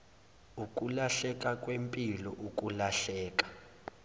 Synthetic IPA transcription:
ukʼulaɬɛkʼakʼwempʼilɔʔukʼulaɬɛːkʼḁ

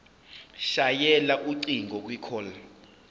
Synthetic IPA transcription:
ʃajɛlaʔuǀiŋɡʱɔk̬ʼwikʰɔːla

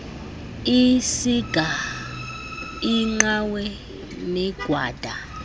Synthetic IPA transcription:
isiɡ̥ʱa | iŋ͡ǃawɛ | nɛɡ̥ʱwaːd̥ʱa

